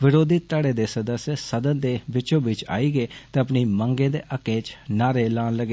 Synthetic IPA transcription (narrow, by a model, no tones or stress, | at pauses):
ʋɪɾoːd̪iːt̪əɽeːd̪eːsəd̪əsesəd̪ənd̪eːbɪt͡ʃõːbɪt͡ʃa̰ːiːɡeːt̪eːəpniːməŋɡẽːd̪eːʔəkːẽːt͡ʃnaːɾeːlaːnləɡe